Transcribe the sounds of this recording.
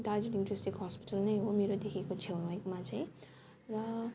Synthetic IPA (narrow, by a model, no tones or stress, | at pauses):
d̪ad͡ziʈinʈresʈiɡɦʌspi̥ʈʌlnʌjɦomeɾod̪ekʰikot͡sʰewnwajkmat͡sʰaj̃ | rʌ